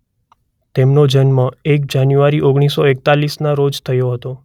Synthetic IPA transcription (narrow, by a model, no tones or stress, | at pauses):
t̪emnod͡ʒənmãek̚d͡ʒanjuʋaɾiʔoɡɽ̃isoek̚t̪alisnaɾod͡ʒt̪ʰəjoɦət̪o